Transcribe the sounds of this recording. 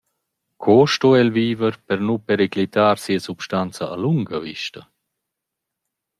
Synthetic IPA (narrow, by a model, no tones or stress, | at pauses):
kʰɔʃtɔɛlviːvəɾpɛɾnupɛɾeklit̪aːɾsiəsupʃtant͡sɐʔaluŋɡɐvḭʃtɐ